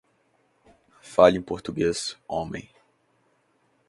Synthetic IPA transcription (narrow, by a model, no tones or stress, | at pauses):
faʎẽj̃poɾt̪uɡesõmḛ̃j̃